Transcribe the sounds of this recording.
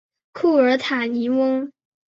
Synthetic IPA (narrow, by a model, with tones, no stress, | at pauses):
kʰu˥˩ə˞˧˥t̪ʰa˨˩ni˧˥wə˥ŋ